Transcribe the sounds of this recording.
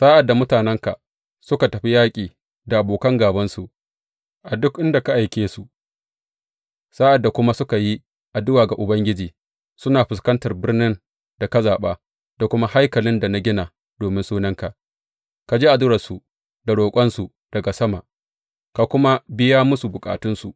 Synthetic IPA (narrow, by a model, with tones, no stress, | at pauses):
sa˦ʔa˨dːa˨mʊ˦taː˨nɛ˦ŋka˨ | sʊ˦ka˨tɐ˨ɸi˦jaː˦kʲʼiː˨ | da˨ʔa˨boː˨kɐ˦ŋɡaː˨bɐ˦nsu˨ʔ | ʔa˨dʊ˦kʔɪ˦nda˨ka˦ʔa˨jkʲeː˦su˨ | sa˦ʔa˨dːa˨kʷʊ˦ma˦sʊ˦ka˨ji˦ | ʔa˨dʊ˦waː˨ɡa˨ʔʊ˨bɐ˦ŋɡʲɪ˦d͡ʒiː˨ | sʊ˦naː˨ɸɪ˨skɐ˦ntɐ˨rbɪ˦rnɪ˦n | d̥a˨kɐ˦zaː˨ɓaː˦ | d̥a˨kʷʊ˦ma˦ha˦jkɐ˨lɪ˦nda˨na˦ɡʲɪ˦naː˨ | d̥oː˨mɪ˦nsuː˦nɐ˦ŋka˨ | ka˨d͡ʒiː˦ʔa˨dʊ˦ɾɐ˨su˨ | da˨ɽoː˨kʷʼɐ˦nsu˨ | d̥ɐ˨ɡa˨sɐ˦ma˨ʔ | ka˨kʷʊ˦ma˦bɪ˦jaː˦mʊ˦su˨bʊ˨kʼa̰ː˨tʊ˦nsu˨ʔ